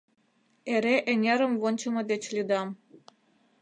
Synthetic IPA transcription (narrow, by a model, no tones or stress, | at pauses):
eɾeʔenʲeɾə̆mvont͡ɕəmɤ̆d̪et͡ɕlʲid̪ɑm